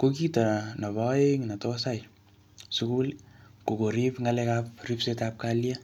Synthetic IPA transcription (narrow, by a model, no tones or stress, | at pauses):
kokitanaβaeŋnatosaj | sukulkokoɾipŋalekap̚ripsetap̚kalja